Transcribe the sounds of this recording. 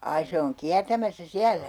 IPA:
ɑi se oŋ kiærtæmæsːæ siælæ

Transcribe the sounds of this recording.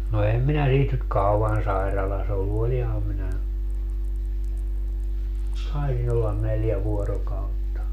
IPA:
no em minæ siːt nyt kɑuɑn sɑirɑlɑs olːu olihɑm minæ tɑisin olːɑn neljæ ʋuorokɑutːɑ

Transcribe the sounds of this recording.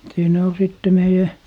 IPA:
siːnæ ol siˑtːe meijæ

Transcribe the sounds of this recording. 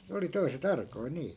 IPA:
ne oli toi̯set ɑrkoi niː

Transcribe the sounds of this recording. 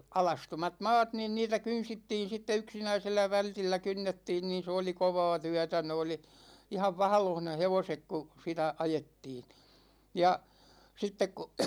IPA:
ɑlɑstomɑt mɑːt niːn niːtæ kynsitːiːn̞ sitːe yksinæiselːæ ʋæltilːæ kynːetːiːn niːn̞ se oli koʋɑː tyætæ ne oli ihɑʋ ʋɑhɑ̆loh ne heʋosek ku sitæ ɑjetːiːn jɑ sitːek ku

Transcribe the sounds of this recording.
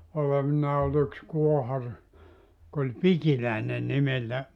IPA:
oleʋinːɑː ol yks kuohɑr jok olʲ pikilæˑene nimeltæ

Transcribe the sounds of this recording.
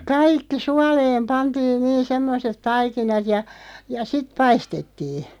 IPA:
kɑikːi suɑleːm pɑntiːn niːn̞ semːoset tɑikinɑt jɑ jɑ sit̆ pɑistetːiːn̥

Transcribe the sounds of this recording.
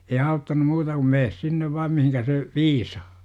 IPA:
ei ɑutːɑnu muːtɑ kum meːs sinːeʋ ʋɑːm mihinkæ se ʋiːsɑ̥ː

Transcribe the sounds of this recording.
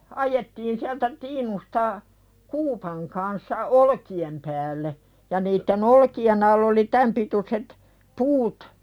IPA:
ɑjetːiːn siæltæ tiːnustɑ kuːpɑŋ kɑnsːɑ olkiem pæːlːe jɑ niːtːen olkien ɑlː oli tæm pituset puːt

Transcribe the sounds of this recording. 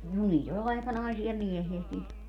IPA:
no niːt ol ɑˑikɑnɑisiɑ miehiæ sit niːt

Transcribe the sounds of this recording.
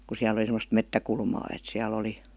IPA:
ku siæl ə̆li semːost metːækulmɑː et siæl oli

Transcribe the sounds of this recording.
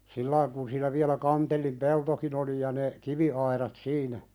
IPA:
silːɑiŋ kun siːnæ ʋiælæ kɑntelːim peltokin oli jɑ ne kiʋiɑiɾɑt siːnæ

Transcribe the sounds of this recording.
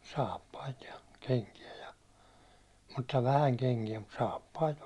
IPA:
sɑːpːɑit jɑ keŋkiæ jɑ mutːɑ ʋæhæŋ keŋkiæ mut sɑːpːɑit

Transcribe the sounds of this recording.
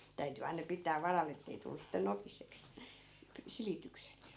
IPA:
tæyty ɑinɑ pitˑæː ʋɑrɑlˑ etːei tulːus̆ sitːe nokiseks silitykset

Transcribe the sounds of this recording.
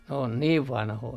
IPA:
n oːn niːʋ ʋɑnhoi

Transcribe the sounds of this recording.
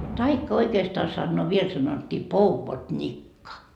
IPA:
tɑikːɑ oikeːstɑː sɑnːoː ʋiel sɑnotʲːiː pouʋod̥nʲikːɑ

